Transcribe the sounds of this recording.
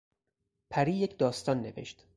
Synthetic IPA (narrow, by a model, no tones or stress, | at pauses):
pʰæɾiːjecʰd̪ɒːst̪ɒːnːe̞̰vḛʃt̪